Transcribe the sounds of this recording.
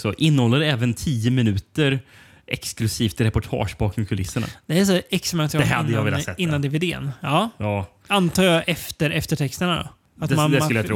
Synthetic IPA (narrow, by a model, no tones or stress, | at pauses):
sɔʔɪnːəhɔlːəɖɛɛːvənt̪ʰiːəmɪnʉ̟ːt̪əɾ | ʔɛksklɵsiːft̪ɾɛpɔʈʰɑ̰ːʂbɑkʰɵkʰɵlɪsːəɳa̰d̪̥ɛæʂɔɛksɛmɛnt̪ʰːɛad̪əj̪javɪlːasɛɪnːand̪eːveːd̪eːə̰nɑːjɑː | ant̪ʰɑːjɑʔɛft̪əɾɛft̪əʈʰɛkst̪əɳad̪ɔ̰ | at̪mand̪ɛləjat̪ʰɾ